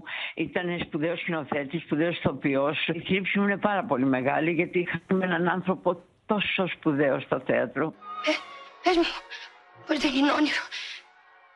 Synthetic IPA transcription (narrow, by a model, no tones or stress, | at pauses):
it̪ɐnespuðeoscinoθet̪ispuðeosθopiosθɾipsimune̞pɐɾɐpo̞lime̞ɣɐliʝɐt̪iixɐmenɐnɐnθɾo̞po | t̪o̞sospuðeost̪oθḛɐt̪ɾoɛeʒmu | pojt̪einoniɾu